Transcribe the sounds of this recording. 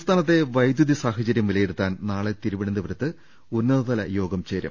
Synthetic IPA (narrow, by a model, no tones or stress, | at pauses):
st̪ʰaːnɐt̪ːe̞ʋɐjd̪juðisaːɦɐt͡ɕɐɾjɐmʋilɐjeɽut̪ːaːnnaːɭet̪iɾuʋiɽɐnd̪ɐʋɐɾɐt̪ːɨ | unːɐðɐðɐlɐjo̞ːɡɐmt͡ɕeːɾjɐ̰m